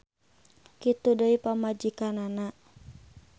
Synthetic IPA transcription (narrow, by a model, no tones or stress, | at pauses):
kit̪udəipamad͡ʒikanana